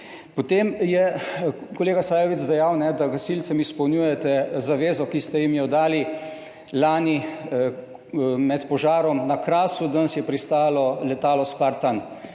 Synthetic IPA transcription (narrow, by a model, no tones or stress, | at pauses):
pɔt̪emjɛ | kɔleːɡasaːjɔʋit̪zd̪ɛjawnɛd̪aɡasilt̪sɛmispɔwnjuːjɛt̪ɛzaʋeːzɔkist̪ɛjimjɔd̪aːli | laːni | mɛt̪pɔʒaːɾɔmnakɾaːsud̪ənsjɛpɾist̪aːlɔlɛt̪aːlɔspaɾt̪an